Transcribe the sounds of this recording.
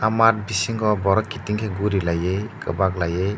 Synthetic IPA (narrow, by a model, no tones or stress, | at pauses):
amat̚bisiŋɡɔbɔɾɔkːitiŋkʰeɡuɾilajejkɯ̰bak̚lajej